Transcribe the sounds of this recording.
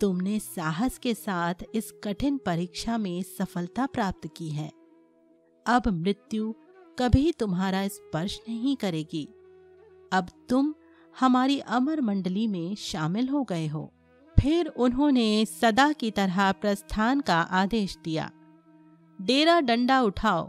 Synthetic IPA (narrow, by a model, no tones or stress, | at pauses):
t̪ʊmnesaːɦəskesaːt̪ʰɪskɐʈʰɪnpɐɾiːkʃamẽsɐfəlt̪apɾaːp̚t̪kiɦɛː | ɐbmɾɪt̪jukɐbʱit̪ʊmɦaːɾaɪspɐɾʃnɐɦĩkɐɾeːɡiː | ɐbt̪ʊm | hɐmaːɾiʔɐməɾmɐ̃ɳɖlimẽʃaːmɪlɦoɡɐeɦo̰ː | pʰɪɾʊnɦõnesɐd̪akit̪ɐɾapɾɐst̪ʰaːnkaʔaːd̪eːʃd̪ija̰ː | ɖeːɾaɖɐ̃ɳɖaʊʈʰaːo̰ː